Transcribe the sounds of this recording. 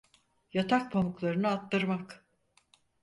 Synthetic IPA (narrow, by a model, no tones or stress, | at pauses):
jat̪ʰak̚pʰamuklˠaɾɯnɯat̪ːɯɾmak